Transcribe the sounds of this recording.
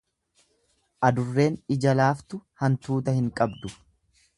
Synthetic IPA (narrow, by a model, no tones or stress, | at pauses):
ʔɐd̪ʊrːe̞ːnɪd͡ʒɐlaːft̪ʊhɐnt̪uːt̪ɐhɪŋkʼɐbd̪ʊ